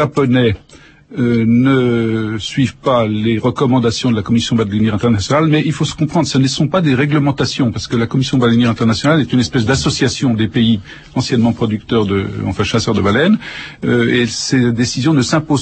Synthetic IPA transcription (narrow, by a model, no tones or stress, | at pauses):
apɔnɛ | ønəsɥivpaleʁəkɔmɑ̃d̪asjɔ̃d̪əlakɔmisjɔ̃bad̪lɛnjɛʁɛ̃t̪ɛʁnasjɔnalmɛilfosə̥kɔ̃pχɑ̃d̪ʁsənəsɔ̃pad̪eʁɛɡləmɑ̃t̪asjɔ̃paʁsə̥kəlakɔmisjɔ̃balɛnjɛʁɛ̃t̪ɛʁnasjɔnalɛt̪ynɛspɛsd̪asɔsjasjɔ̃d̪epei | ɑ̃sjɛnmɑ̃pχɔd̪yk̚t̪œʁd̪əɑ̰̃fɛ̃ʃasœʁd̪əbalɛnøesed̪esizjɔ̃nəsɛ̃poz